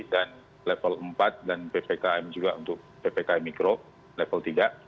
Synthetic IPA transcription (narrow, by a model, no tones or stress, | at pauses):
dan | lɛfələmpat̪̚danpepekaɛmd͡ʒuɡaṵnt̪ʊk̚pepekaɛmikɾo | lɛfəlt̪iɡaʔ